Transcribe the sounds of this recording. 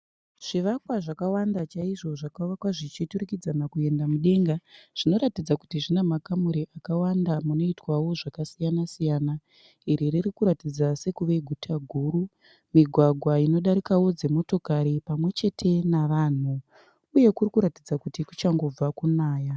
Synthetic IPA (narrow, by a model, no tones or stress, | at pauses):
ʐ̥iʋakwaʐakawandat͡ʃaiʐo̞ʐakaʋakwaʐit͡ʃituɾukid͡zanakue̞ndamuɗe̞ŋɡaʐ̥ino̞ɾatid͡zakutiʐinamakamuɾiʔakawandamuno̞itwawo̞ʐakasijanasijana | iɾiririkuɾatid͡zase̞kuʋe̞ɡʱutʰaɡʱuːɾu | miɡʱwaɡʱwaino̞ɗaɾikawo̞d͡ze̞mo̞to̞kaɾipamwe̞t͡ʃe̞tʰe̞naʋaːn̤u | uje̞kurikuɾatid͡zakutiku̥t͡ʃaŋɡo̞b͡vakunaːja